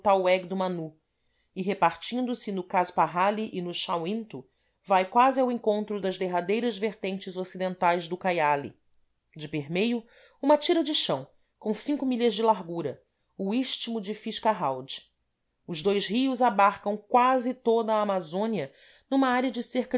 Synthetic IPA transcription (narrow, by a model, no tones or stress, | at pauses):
t̪awɛɡ̚d̪ʊmanu | ɪɦepaɾt͡ʃĩnd̪ʊsɪnʊkaspaɦaliʔɪnʊʃawĩnt̪ʊ | vajkwazɪawẽŋkõnt̪ɾʊd̪ɐzd̪eɦad̪ejɾɐzveɾt̪ẽnt͡ʃɪzosid̪ẽnt̪ajzd̪ʊkajalḭ | d͡ʒɪpeɦmejʊ | ũmɐt͡ʃiɾɐd͡ʒɪʃɐ̃w̃ | kõw̃sĩŋkʊmiʎɐzd͡ʒɪlaɾɡuɾɐ | uiʃt͡ʃimʊd͡ʒɪfiʃkaɦawd͡ʒɪ̥ | ʊzd̪ojzɦiʊzabaɾkɐ̃w̃kwazɪt̪od̪ɐaːmazõniɐ | nũmɐaɾiɐd͡ʒɪseɾk